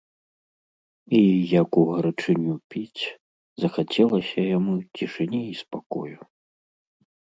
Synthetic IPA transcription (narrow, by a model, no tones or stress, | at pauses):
ijɐkuɣɐɾat͡ʂɨnʲupʲit͡sʲ | zɐxat͡sʲɛlˠɐsʲɐjamut͡sʲiʂɨnʲiispakɔ̰ju